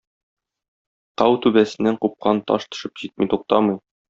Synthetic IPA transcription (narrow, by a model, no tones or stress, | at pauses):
qɑwt̪ʉbæsɘ̆nːæɴqup̚qɑnt̪ɒ̰ʃt̪ɤ̥̆ʃɤpʑit̪̚mijt̪uq̚t̪ɑmɤj